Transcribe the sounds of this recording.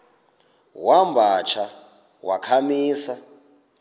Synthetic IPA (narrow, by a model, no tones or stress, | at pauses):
wambʱat͡ʃʰa | wakʰamiːsa